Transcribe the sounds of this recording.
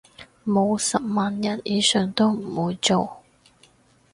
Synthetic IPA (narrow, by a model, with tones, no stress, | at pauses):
mo˨˧wsɐ˨p̚maː˨njɐ˨˩njiː˨˧sœː˨ŋt̪o˥wm̩˨˩wuː˨˧jt͡so˨w